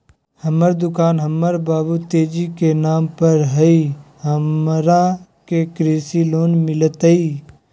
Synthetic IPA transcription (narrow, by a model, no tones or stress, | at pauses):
həməɾd̪ʊkaːnɦəmːəɾbaːbut̪eːd͡ʒikenaːmpəɾɦəiɦəmɾakekɾeːsiloːnmɪlət̪ɦəiː